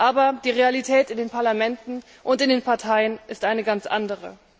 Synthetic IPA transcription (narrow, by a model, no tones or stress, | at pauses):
ʔaːbɐd̥iːʁealitʰɛːtɪndeːnpʰaɐlamɛntn̩ | ʔʊntɪndeːnpʰaɐtʰaɪənʔɪstʔaɪnəɡant͡sʔa̰ndəʁə̰